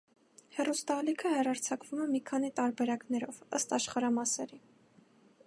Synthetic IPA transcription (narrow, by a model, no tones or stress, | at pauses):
hɛrust̪ɑlikʰəhɛrɑɾt͡sʰɑkvumɛmikʰɑn̪it̪ɑɾbɛɾɑknɛɾɔvə̰st̪ɑʃχɑɾɑmɑsɛɾi